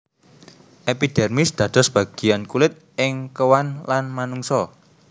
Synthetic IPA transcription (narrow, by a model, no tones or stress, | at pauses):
ʔepid̪̥ɛrmisd̪̥ä̤d̪̥ɔ̤sb̥ä̤ɡ̥i̤jankulɪt̪̚ʔɪŋkəwanlanmanuŋsɔ